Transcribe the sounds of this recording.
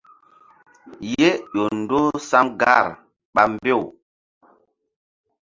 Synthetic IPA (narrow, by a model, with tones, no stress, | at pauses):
je˦ʄo˨n˨do˦sa˦mɡa˦˨ɾ | ɓa˨mbe˦˨